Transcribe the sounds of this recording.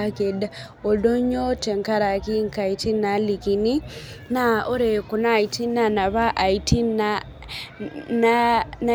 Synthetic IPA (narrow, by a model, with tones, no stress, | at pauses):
ake˨da | o˨do˦ɲo˦te˨ŋka˦ɾa˨ki˦ŋka˨i˨ti˦na˦li˨ki˨ni˦ | na˦o˦ɾe˨ku˨na˦˨i˨ti˦na˨na˨βa˦ʔa˨i˨ti˦na | nana